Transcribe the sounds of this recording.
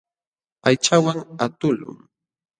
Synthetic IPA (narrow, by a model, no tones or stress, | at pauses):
ajt͡ʃawaŋat̪ʊlʊ̰ŋ